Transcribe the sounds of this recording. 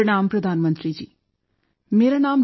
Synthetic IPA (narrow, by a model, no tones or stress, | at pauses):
ɪɽaːmpɾɐd̪ʱaːnmə̃nt̪ɾid͡ʒiː | meːɾanaːm